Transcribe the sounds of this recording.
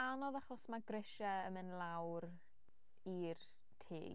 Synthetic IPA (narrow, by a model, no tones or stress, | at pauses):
anɔðaχɔsmaɡrɪʃaəmɨnlˠawr | ir | tʰḛː